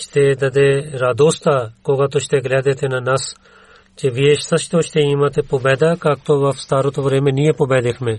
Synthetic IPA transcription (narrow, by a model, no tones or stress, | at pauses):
t͡ʃʰt̪eːd̪ɐd̪eɾaːd̪oːst̪aːkoːɡaːt̪ot͡ʃʰt̪eɡlɛːd̪eːt̪ʰenaːnɐs | t͡ʃeʋieːʃt̪ɐt͡ʃʰt̪oːt͡ʃʰt̪eːiːmãːt̪eːpobɛːd̪aːkaːk̚t̪oːʋɐfst̪aːɾoːt̪oʋəɾeːmẽːniːepobɛːd̪ekʰmẽː